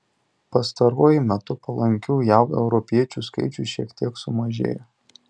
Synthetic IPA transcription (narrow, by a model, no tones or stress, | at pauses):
pɐst̪ɐɾuɔjɪmʲɛt̪ʊpɐlˠɐŋʲkʲuːjæʊɛʊɾɔpʲiɛt͡ʃʲuskɐ̰ɪt͡ʃʲuʃʲiɛkt̪ʲiɛksʊmɐʒʲḛːjɛ